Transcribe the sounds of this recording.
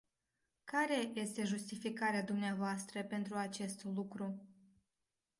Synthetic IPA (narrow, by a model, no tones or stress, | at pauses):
kaɾe̞je̞st̪e̞ʒust̪ifikaɾead̪umneavoast̪ɾəpe̞nt̪ɾuat͡ʃe̞st̪lukɾu